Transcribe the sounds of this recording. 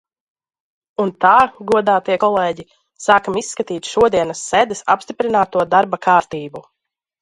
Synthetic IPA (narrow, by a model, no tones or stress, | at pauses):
unt̪aːɡuɔd̪aːt̪iɛkɔlˠɛːɟi | saːkamisːkat̪iːt̪ʃuɔd̪iɛnɐsːɛd̪ɨsa̰pst̪ipɾinaːt̪uɔd̪aɾbakʰaːɾt̪iːbu